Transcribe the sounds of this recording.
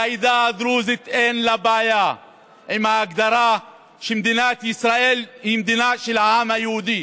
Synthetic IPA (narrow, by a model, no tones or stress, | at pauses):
ajd̪ad̪ɾuːzɪt̪ʔeːnlabaːja | ʔɪmaaɡd̪ɑɾˤa | ʃimd̪inaːt̪ʔɪsɾˤaʔiːlhimd̪inaːʃɪlʕaːmajhuːd̪i